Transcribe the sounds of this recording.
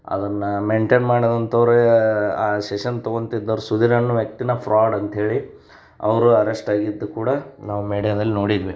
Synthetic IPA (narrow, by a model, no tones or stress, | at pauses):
ɐ̰d̪ɐnːɐmeɳʈeːnmaːɽid̪ɐnt̪ʰɐʋɾeaːseʂɐnt̪oɡont̪id̪ːɐʋɾusud̪iɾɐnːuʋjɐk̚t̪inɐpʰɾaːɖɐnt̪ɐɦe̞ːɭi | ɐ̰ʋɐɾuɐɾesʈaːɡid̪ːukuːɽɐnaːʋumiːɽijɐd̪ɐlːino̞ːɽid̪ʋi